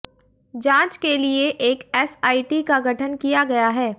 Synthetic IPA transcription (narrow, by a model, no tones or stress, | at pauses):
d͡ʒãːt͡ʃkelieʔeːkɛːsaːiʈikaɡʱɐʈʰənkijaɡɐjaɦɛː